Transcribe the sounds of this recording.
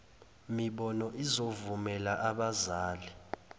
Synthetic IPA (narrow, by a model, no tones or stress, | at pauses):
miɓɔnɔʔizovumɛlaʔaɓazaːli